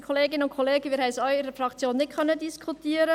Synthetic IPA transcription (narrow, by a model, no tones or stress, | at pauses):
kʰoleːɡɪnəʊntkʰoleːɡəʋɪːɾhɛjsœʏɪɾəfɾɑkt͡sjoːnːɪt̚kʰœnːədiskʰutiːəɾə